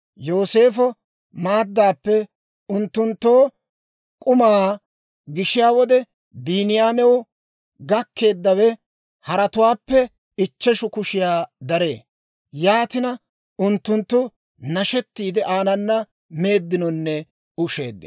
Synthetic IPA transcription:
jo̞ːse̞ːfɔ | maːd̪ːaːpːɛ | ʊnt̪ːʊnt̪ːo̞ː | kʼʊmaː | ɡɪʃɪjaːwɔd̪ɛ | biːnɪjaːmɛwʊ | ɡɐkʰːe̞ːd̪ːɐwɛ | hɐɾɐt̪ʊwaːpːɛ | ɪt͡ʃːɛʃʊkʊʃɪjaːd̪ɐɾe̞ː | jaːt̪ɪnɐ | ʊnt̪ːʊnt̪ːʊ | nɐʃɛt̪ːiːd̪ɛʔaːnɐnːɐ | me̞ːd̪ːɪnɔnːɛ | ʊʃe̞̰ːd̪ːɪ̰

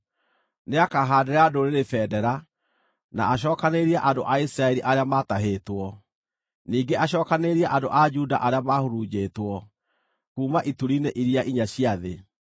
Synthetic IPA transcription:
neakaɦaːdeɾadoɾeɾefɛːdɛɾa | na̰ːɕ̬ɔːkaneɾiaʔadoʔaisɾaɛɾiʔaɾeamataɦeːtwɔ | niːɡeʔaɕ̬ɔːkaneɾiaʔadoʔad͡ʒuda̰ʔaɾeamahoɾud͡ʑeːtwɔ | kuːmaʔituɾineʔiɾiaʔiɲaɕiaðe

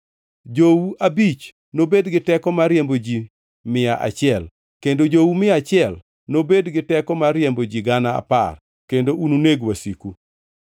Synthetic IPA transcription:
d͡ʒowuabit͡ʃ | nobedɡɪtɛkɔmaɾjembod͡ʒi | mɪaʔa̰t͡ʃɪɛl | kendod͡ʒowumɪat͡ʃɪɛl | nobedɡɪtɛkɔmarjembod͡ʒiɡanaa̰pa̰r | kendoununeɡwasiku

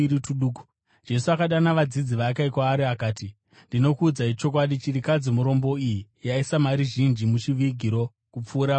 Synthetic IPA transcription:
ituɗuːku̥ | d͡ʒe̞suakaɗanaʋad͡zid͡ziʋakaikwaːɾiakaːti | ndino̞kuːd͡zait͡ʃo̞kwaɗit͡ʃirikad͡zimuɾo̞mbo̞iji | jaisamaɾiʒind͡ʒimut͡ʃiʋiɡʱiɾo̞ | kup͡fuːɾa

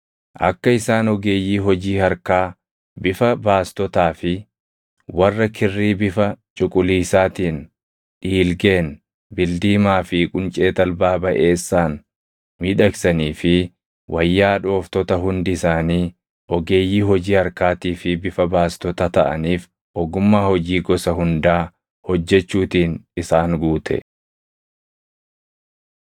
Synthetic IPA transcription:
ʔɐ̰kːɐɪsaːnɔɡe̞ːjːiːɦɔd͡ʒiːhɐɾkaː | bɪfɐbaːst̪ɔt̪aːfɪ | wɐrːɐkʰɪrːiːbɪfɐt͡ʃʼʊkʼʊliːsaːt̪iːn | ᶑiːlɡe̞ːn | bɪld̪iːmaːfɪkʼʊnt͡ʃʼe̞ːt̪ɐlbaːbɐʔe̞ːsːaːn | miːᶑɐksɐniːfɪ | wʔɐjːaːᶑo̞ːft̪ɔt̪ɐɦʊnd̪ɪsaːniː | ʔɔɡe̞ːjːiːɦɔd͡ʒiːɐɾkaːt̪iːfɪbɪfɐbaːst̪ɔt̪ɐt̪ɐʔɐ̰niːf | ʔɔɡʊmːaːhɔd͡ʒiːɡɔsɐhʊnd̪aː | hɔd͡ʒːɛt͡ʃːuːt̪iːnɪsaːŋɡuːt̪ʰɛ̰

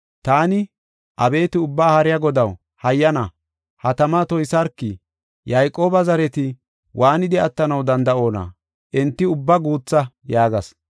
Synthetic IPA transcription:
t̪aːnɪ | ʔɐbe̞ːt̪ɪʊbːaːhɐɾɪjɐɡɔd̪ɐw | hɐjːɐnɐ | hɐt̪ɐmat̪ɔjsɐɾkːɪ | jɐjkʼːo̞ːbɐzɐɾɛt̪ɪ | wʔaːnɪd̪ɛɐt̪ːɐnɐwd̪ɐnd̪ɐʔo̞ːnɐ̰ | ʔɛnt̪ːɪʊbːɐɡuːt͡sːɐ | jaːɡɐs

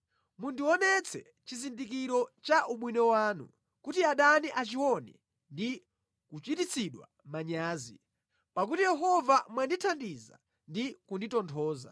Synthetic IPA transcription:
mundiwɔnɛt͡sʰɛ̰ | t͡ʃizindik̬iɾɔt͡ʃaʔuɓwinɛwaːnṵ | kutiaɗaniʔat͡ʃiwɔnɛ | ndi | kut͡ʃitit͡sʰiɗwa̰ | maɲaːzi | pak̬utijɛɦɔvamwanditʰandiza̰ | ndikunditɔntʰɔːza̰

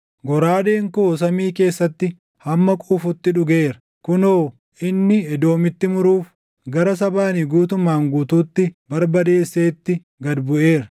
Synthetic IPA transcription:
ɡɔɾaːd̪eːŋkos̬ɐmiːke̞ːsːɐt̪ːɪ | hɐmːɐkʼuːfʊt̪ːɪᶑʊɡe̞ːɾɐ | kʊnoː | ʔɪnːɪɛd̪o̞ːmɪt̪ːɪmʊɾuːf | ɡɐɾɐs̬ɐbaːnɪɡuːt̪ʊmːaːŋɡuːt̪uːt̪ːɪbɐɾbɐd̪e̞ːsːe̞ːt̪ːɪ | ɡɐd̪bʊʔe̞ːɾɐ

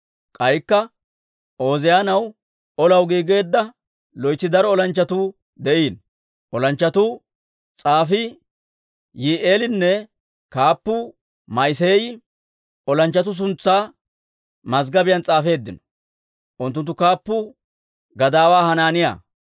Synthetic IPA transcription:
kʼɐjkːɐ | o̞ːzɪjaːnɐw | ɔlɐwɡiːɡe̞ːd̪ːɐ | lɔjtːɪd̪ɐɾɔɔlɐnt͡ʃːɐt̪uː | d̪ɛʔiːn | ʔɔlɐnt͡ʃːɐt̪u | t͡sʼaːfɪ | jiʔeːlɪnːɛ | kaːpːʊ | mɐjs̬eːj | ɔlɐnt͡ʃːɐt̪̬ʊs̬ʊnt͡sːaː | mɐzɡɐbɪjɐnt͡sʼaːfe̞ːd̪ːɪnɔ̥ | ʔʊnt̪ːʊnt̪ːʊkaːpːʊ | ɡɐd̪aːwaːhɐnaːnɪja̰ː

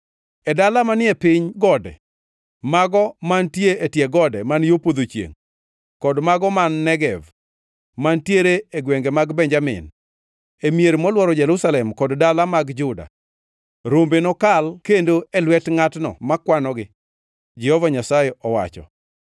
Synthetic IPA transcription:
ɛdalamanɪɛpɪɲɡɔdɛ̰ | maɡɔmantjeetjeɡɔdɛmanjopod̪ot͡ʃjḛŋ | kɔdmaɡɔmanːɛɡɛv | mantjeɾeeɡweŋɡemaɡbɛɲd͡ʒamɪ̰n | emjeɾmɔlwɔɾɔd͡ʒɛɾʊsalɛmkɔddalamaɡd͡ʒʊda̰ | ɾombenɔkalkendoɛlwɛtŋatnɔ̰makwanɔɡɪ | d͡ʒɛhɔvaɲasajɛʔɔwa̰t͡ʃɔ̰

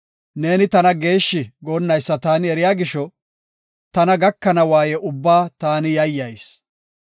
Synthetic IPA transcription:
ne̞ːnɪt̪ɐnɐɡe̞ːʃːɪɡoːnːɐjsːɐt̪aːnɪɛɾɪjaːɡɪʃːɔ | t̪ɐnɐɡɐkːɐnɐwaːjɛʔʊbːaːt̪aːnɪjɐjːɐjs

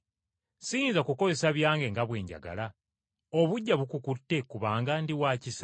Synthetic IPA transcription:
siːnzakuko̞ze̞saβjaːŋɡe̞ŋɡaβwe̞ːɲɟa̰ɡa̰la | oβuɟːaβukukutːe̞kuβaːŋɡandiwaːcisa

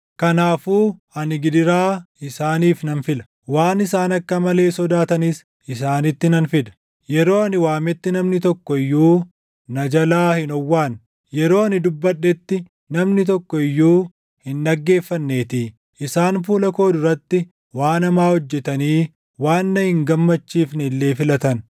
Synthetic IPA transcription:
kɐnaːfuː | ɐnɪɡɪd̪ɪɾaːɪsaːniːfnɐnfɪlɐ̥ | waːnɪsaːnɐkːɐmɐle̞ːsɔd̪aːt̪ɐnis | ɪsaːnɪt̪ːɪnɐnfɪd̪ɐ̥ | jɛɾo̞ːɐnɪwaːmɛt̪ːɪnɐmnɪt̪ɔkːɔɪjːuː | nɐd͡ʒɐlaːhɪnɔwːaːn | jɛɾo̞ːɐnɪd̪ʊbːɐᶑːɛt̪ːɪ | nɐmnɪt̪ɔkːɔɪjːuː | hɪnːɐɡːe̞ːfːɐnːe̞ːt̪i | ʔɪsaːnfuːlɐko̞ːd̪ʊɾɐt̪ːɪ | waːnɐmaːhɔd͡ʒːɛt̪ɐniː | waːnːɐhɪŋɡɐmːɐt͡ʃːiːfnɛlːe̞ːfɪlɐt̪ɐn

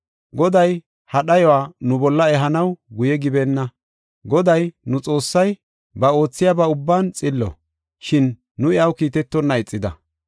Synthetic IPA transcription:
ɡɔd̪ɐj | hɐɗɐjɔwaːnʊbɔlːɐɛɦɐnɐwɡʊjɛɡɪbɛnːɐ | ɡɔd̪ɐjnʊt͡sʼo̞ːsːɐj | bɐo̞ːt͡sːɪjabɐʊbːaːnt͡sʼɪlːɔ̰ | ʃɪnː | ʊɪjɐwkiːt̪ɛt̪ːɔnːɐɪt͡sʼːɪd̪ɐ̰

